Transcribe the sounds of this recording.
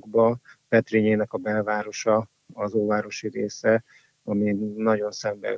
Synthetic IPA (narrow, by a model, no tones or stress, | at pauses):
ɡbɒpɛt̪riɲeːnɛkɒbɛlvaːɾo̞ʃɒ | ɒzoːvaːɾo̞ʃiɾeːsɛ | ɒminɒɟo̞nsɛmbɛ̰